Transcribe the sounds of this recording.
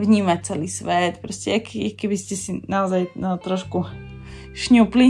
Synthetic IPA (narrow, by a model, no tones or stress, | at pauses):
vɲiːmac̚t͡sɛliːsʋɛt̪pɾoscɛakikɛbiscɛsinaɔzajət̪ɾɔʃku | ʃɲupli